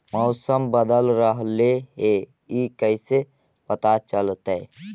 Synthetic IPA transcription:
mɔʊsəmbəd̪əlɾəɦleɦe | ikəɪse | pət̪at͡ʃəlt̪ɛ

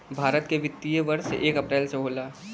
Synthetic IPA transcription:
bʱaːɾət̪keʋɪt̪ːijəʋəɾsḛʔeːkəpɾɛːlseɦoːlaː

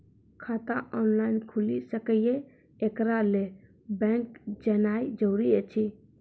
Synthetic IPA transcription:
kʰat̪aʔɔnlainkʰulisəkəje | ekɾale | bɛ̃ŋkd͡ʒənaid͡ʒəwɾiet͡ʃʰi

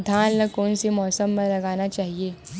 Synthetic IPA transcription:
d̪ʱaːnləkoːnsimɔːsəmːəlɐɡanat͡ʃaːɦie

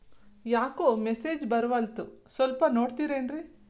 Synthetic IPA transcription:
jaːkoːmeseːd͡ʒbɐɾʋɐlt̪usʋɐlpɐnoːɽt̪iːɾeːnɾi

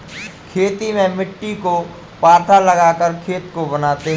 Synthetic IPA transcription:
kʰeːt̪imẽmɪʈːiko | paːɾt̪ʰalɐɡaːkəɾkʰeːt̪kobɐnaːt̪eɦ

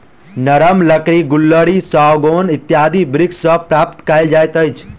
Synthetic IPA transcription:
nəɾəmləkɾiɡulːəɽisaɡonɪt̪ːjaːd̪ʱibɾɪksəpɾap̚t̪kaɪld͡ʒajt̪əjt͡ʃʰ

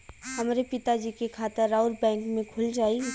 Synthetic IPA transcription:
ɦɐmːɾepɪt̪ad͡ʒiːkekʰaːt̪ɪɾːaːʊɾbɛ̃ːŋkmẽkʰʊld͡ʒaːi

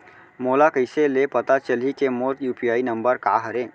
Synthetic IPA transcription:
moːlakəɪselepət̪at͡ʃəlikemoɾjuːpijaːinəmbəɾka̰ɦəɾẽ

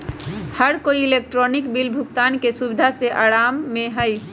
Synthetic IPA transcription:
həɾkoiːlek̚ʈɾonikbilbʱukt̪ankesubid̪ʱaseʔaɾamːeɦəj

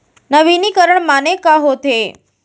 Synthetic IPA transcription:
nəʋiniːkəɾəɳmanekaɦot̪e

